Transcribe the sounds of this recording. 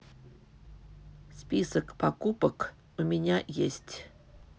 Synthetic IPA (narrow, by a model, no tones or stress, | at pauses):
spʲisəkpɐkupək | umʲɪnʲajesʲtʲ